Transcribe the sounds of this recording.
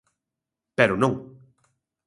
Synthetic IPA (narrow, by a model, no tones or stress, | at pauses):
peɾʊnõŋ